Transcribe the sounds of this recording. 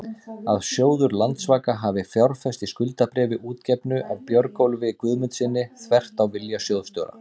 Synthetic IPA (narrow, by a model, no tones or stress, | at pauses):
aðsjoːwðʏɾlant̪svaːkaɦaːvɪfjawɾ̥fɛst̪iskʏlt̪apɾɛːvɪʔuːt̪cɛpnʏʔawpjœɾkowlvɪkvʏðmʏnt̪sɪnːɪθvɛr̥t̪awvɪljasjoːwðst̪owɾa̰